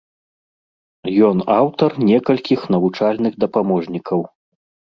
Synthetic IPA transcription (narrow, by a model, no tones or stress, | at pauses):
jɔnawt̪ɐrnʲɛkɐlʲkʲixn̪ɐvut͡ʂalʲnɨɣd̪ɐpamɔʐnʲikʰɐw